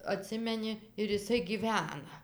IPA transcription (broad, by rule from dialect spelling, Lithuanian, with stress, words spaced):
ɐˈtʲsʲɪmʲɛnʲɪ ɪr ɪˈsɐɪ ˈɡʲiːʋʲɛnɐ